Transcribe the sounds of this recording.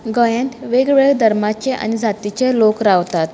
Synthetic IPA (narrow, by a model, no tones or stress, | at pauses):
ɡəjẽnt̪ʋeɡʋɭed̪ʱəɾmat͡ɕeʔa̰ñid͡zʱat̪it͡ɕelokɾaʋt̪at̪